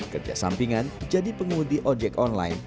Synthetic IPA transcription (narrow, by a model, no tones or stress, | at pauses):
kərd͡ʒa̰sa̰mpiŋand͡ʒadipəŋudiʔɔd͡ʒɛkɔnlajn